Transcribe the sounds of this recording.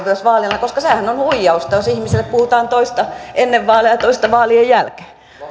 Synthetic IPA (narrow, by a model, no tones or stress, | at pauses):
ʋyøsʋɑːliɑlnɑkoskɑsehænonhuijːɑust̪ɑjosihmiselːeppuhut̪ɑːnt̪oist̪ɑenːeʋʋɑːlijɑt̪oist̪ɑʋɑːliejjælke̥ː